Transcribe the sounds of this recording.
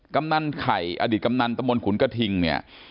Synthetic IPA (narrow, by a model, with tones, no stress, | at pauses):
ka˧mna˧nkʰa˨˩jʔa̰ː˧diː˨˩t̪̚ka˧mna˧nt̪a˧mbo˧nkʰu˩˦nka˧t̪ʰi˧ŋni˥˩ɐ